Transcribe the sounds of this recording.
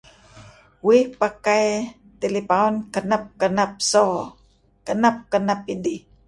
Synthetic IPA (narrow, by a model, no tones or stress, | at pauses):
wihpakaj | t̪elipaɔnkənap̚kənap̚so | kənap̚kənapidi